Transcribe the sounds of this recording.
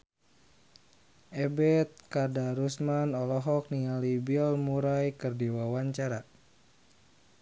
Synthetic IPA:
ʔɛbɛt̪̚kadaɾusmanɔlɔɦɔk̚nialibilmuɾajkərdiwawaɲt͡ʃaɾa

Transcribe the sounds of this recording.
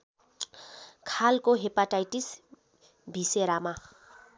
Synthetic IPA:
kʰalkoɦepaʈajʈis | bʱiseɾama

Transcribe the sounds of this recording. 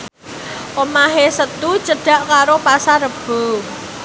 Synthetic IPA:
ʔomaɦesət̪ut͡ʃəɖ̥a̤ʔkaɾopasaɾəb̥o̤

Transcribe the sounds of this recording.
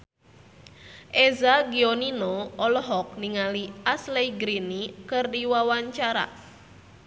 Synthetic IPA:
ʔezaɡioninoɔlɔɦɔk̚niŋaliasleiɡɾinikɨrdiwawaɲt͡ʃaɾa̰

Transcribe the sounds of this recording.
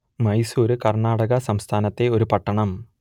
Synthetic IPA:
mɐjsuːɾɨkɐrɳaːɽɐɣɐsɐmst̪ʰaːnɐt̪ːe̞o̞ɾupɐʈːɐɳɐm

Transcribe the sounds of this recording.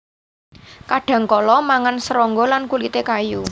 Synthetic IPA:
kaɖ̥ä̤ŋkɔlɔmaŋansəɾɔŋɡɔlankulit̪ekaju

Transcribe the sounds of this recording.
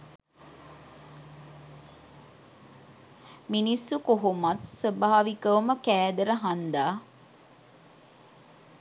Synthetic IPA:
minisːukoɦumat̪səbaaʋikəʋuməkæːd̪əɾəɦand̪aː

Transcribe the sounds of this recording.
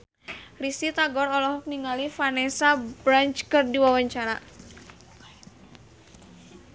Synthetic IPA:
risit̪aɡɔɾɔlɔɦɔk̚niŋalifanɛsabɾant͡ʃkərdiwawəɲt͡ʃaɾa

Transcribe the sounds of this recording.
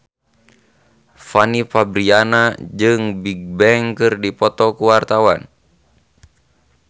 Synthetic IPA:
fanifabɾianad͡ʒɨŋbiɡ̚bɛŋkɨrdipɔt̪ɔkuwart̪awan

